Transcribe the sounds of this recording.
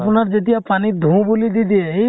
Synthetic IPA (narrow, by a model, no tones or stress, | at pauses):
punaɾd͡ʒet̪̬ijapanid̪ʱũbulid̪id̪ieɦi